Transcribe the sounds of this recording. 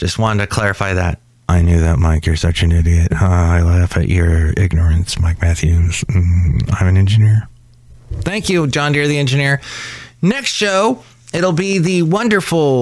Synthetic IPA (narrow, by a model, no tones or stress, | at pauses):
ʒ̥ʌst̚wɑ̃ɾ̃ntʰɨkʰl̥ɛɹɨfaɪðæ̰t̚ | ʔaɪnjʉðɨt̚maɪkʰjə˞sʌt͡ʃɨ̃nɪɾiɨtʌaɪlæfɨ̰ʔə˞ɪ̰ɡ̚nə˞ɨ̃nsmaɪk̚mæθjʉz̥ | ã̰ɪ̃mɨ̃nɛ̃nd͡ʒɨnɪɹ | θæ̃ŋkjʉd͡ʒɑ̃ndɪɹðiɛ̃nd͡ʒɨnɪɹ | nɛkstʃoʊ | ɪɾl̩ˠbiðɨwʌ̃ndə˞fl̩ˠ